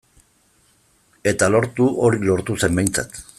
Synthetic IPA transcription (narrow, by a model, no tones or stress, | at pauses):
e̞t̪alo̞ɾt̪uʔo̞ɾilo̞ɾt̪use̞mbe̞jnt͡sa̰t̪